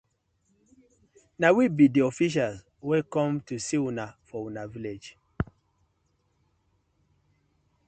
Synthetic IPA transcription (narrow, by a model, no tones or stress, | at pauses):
nawibidiɔfiʃ̬als | wekɔ̃mtusiwunafɔwunaviled͡ʒ